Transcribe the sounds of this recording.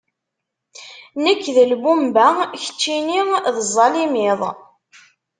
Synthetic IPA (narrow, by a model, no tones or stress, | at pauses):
nəkːðəlbumbæçə̥t͡ʃːiniðəzˤːɑlimɪðˤ